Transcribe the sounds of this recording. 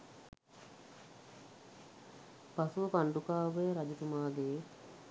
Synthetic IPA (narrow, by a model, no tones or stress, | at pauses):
pɐsuʋɐpɐɳɖukaːʋeːɾɐd͡ʒit̪umaːd̪eː